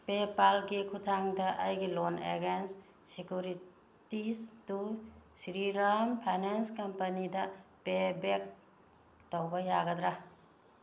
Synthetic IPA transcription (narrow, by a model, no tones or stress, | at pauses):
pepalɡikʰutʰaŋdɐʔɐjɡilonḛɡens | sikjuɾi | tistusiɾiɾampʰajnenskɐmpɐnidɐpebek̚ | towbɐjaɡɐd̪ɾa